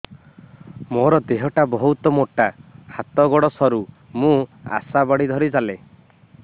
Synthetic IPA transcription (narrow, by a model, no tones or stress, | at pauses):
mɔɾɔd̪eɦɔʈabɔɦut̪ɔmoʈahat̪ɔɡɔɽɔsɔɾu | mũa̰sabɔɽid̪ʱɔɾid͡ʒale